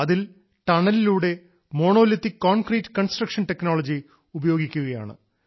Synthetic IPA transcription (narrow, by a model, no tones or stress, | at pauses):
ɐðil | ʈ̪ɐɳɐliluːɽe̞ | mo̞ːɳo̞ːlit̪ːikːoːnkriːtːɨ̥kɐnsʈrɐkʂɐnʈe̞kno̞ːɭɐd͡ʑi | ubɐjo̞ːɡikʲːuɣɐja̰ːɳɨ̰